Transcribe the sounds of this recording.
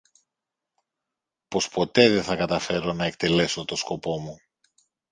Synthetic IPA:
po̞spo̞t̪e̞ðeθɐkɐt̪ɐfe̞ɾo̞nɐe̞k̚t̪e̞le̞so̞t̪o̞sko̞po̞mu

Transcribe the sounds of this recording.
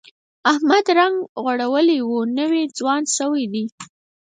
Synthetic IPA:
ahmad̪ɾaŋɡɣwaɽawəliwunəwed͡zwɑnsəwid̪i

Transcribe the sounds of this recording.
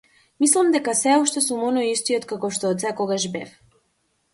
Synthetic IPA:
mislˠamd̪ɛkasɛɔʃt̪ɛsumɔnɔjist̪iɔt̪kakɔʃt̪ɔːt̪sɛkɔɡaʒbɛf

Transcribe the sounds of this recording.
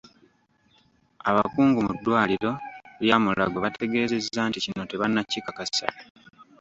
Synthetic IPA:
aβa̰kuːŋɡumudːwaːliɾo̞ljaːmula̰ɡoβatʰe̞ɡe̞ːze̞zːaːnticino̞te̞βanːacːikakasa̰

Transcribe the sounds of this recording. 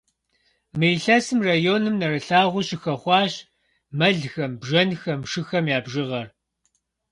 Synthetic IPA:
mɨjɬɐsɨmraːjoːnɨmnɐɾɐɬaːʁʷʊɕɪxɐχʷɑːɕ | mɐɮxɐmbʒɐnxɐmʂɨxɐmjaːbʒɨʁɐr

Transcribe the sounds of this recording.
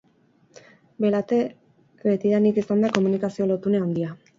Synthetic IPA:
belat̪e̞ | βet̪iðanikesaond̪ako̞munikasio̞lot̪uneond̪ia

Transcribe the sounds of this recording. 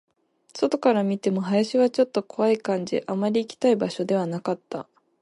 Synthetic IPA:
so̞t̪o̞kaɾamʲit̪e̞mo̞ɦajaɕiβat͡ɕo̞t̪ːo̞ko̞βaikãɲ̟d͡ʑḭʔamaɾʲiːkʲi̥t̪aibaɕo̞d̪e̞β̞anakat̪ːa̰

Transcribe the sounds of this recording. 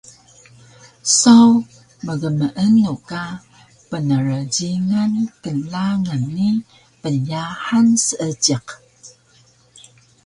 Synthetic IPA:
saw | məɣəməʔənːuka | pənəɾəɟiŋankəlaŋənːi | pənjaħansəʔəɟiq

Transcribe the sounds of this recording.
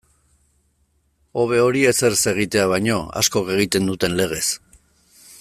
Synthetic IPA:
o̞βe̞o̞ɾiese̞ɾse̞ɣ̞it̪e̞aβ̞ajɲo̞a̰sko̞ke̞ɣ̞it̪e̞nd̪ut̪e̞nle̞ɣ̞e̞s

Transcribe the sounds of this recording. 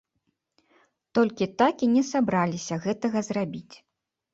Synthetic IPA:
t̪ɔlʲkʲit̪akinʲɛsabɾalʲisʲɐɣɛt̪ɐɣɐzrabʲit͡sʲ

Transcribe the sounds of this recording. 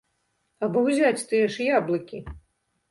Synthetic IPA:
ɐbɔwzʲat͡sʲt̪ɨjɛʂjablˠɐkʲi

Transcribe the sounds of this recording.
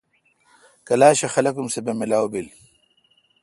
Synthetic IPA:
kɐlaːɕɐxɐlɐkumsebemilaːwbil

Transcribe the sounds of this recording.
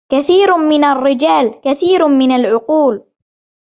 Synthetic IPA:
kaθiːɾmɪnarːɪd͡ʒaːlkaθiːɾmɪnalʕʊquːl

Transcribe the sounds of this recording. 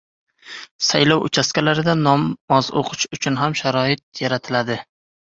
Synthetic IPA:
sajlɒwʔʊ̰t͡ʃʰaskʲalaɾɪd̪anɒmːɒzo̰qʰʊʃʊt͡ʃʰʊnɦamʃaɾɒɪt̪̚jaɾat̪ʰɪlad̪ɪ

